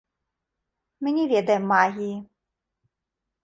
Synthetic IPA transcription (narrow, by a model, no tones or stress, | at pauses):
mɨnʲɛvʲɛd̪ɐjɛmːaɣʲiji